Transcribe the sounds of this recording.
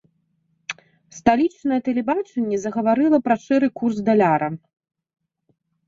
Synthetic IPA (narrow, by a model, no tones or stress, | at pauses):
st̪alʲit͡ʂnɐjɛt̪ɛlʲɛbat͡ʂɛnʲːɛzɐɣɐvaɾɨlˠɐpɾɐʂɛɾɨkurzd̪alʲaɾɐ